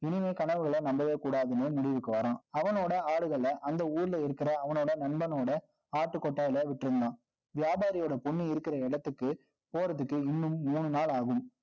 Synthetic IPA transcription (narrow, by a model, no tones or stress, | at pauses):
ɪnɪmeːkɐɳɐʋɯɣɐɭɐnɐmbɐʋeːkuːɽaːðɯneːmʊɽɪʋɯkːɯʋɐɾãːɐʋɐnoːɽɐaːɽɯɣɐɭɐʔɐnd̪ɐuːɾɪlɐɪɾɯkːɪɾɐːʋɐnoːɽɐnɐɳbɐnoːɽɐ | aːʈːɯkːɔʈːaːɪlɐaʋɪʈːɪɾɯnd̪ãː | ʋɪjaːbaːɾɪjoːɽɐpʊɳːiɪɾɯkːɪɾɐɪɽɐt̪ːɯkːɯ | poːɾɐðɯkːɯɪnːɯmːuːɳɯnaːɭaːɣɯm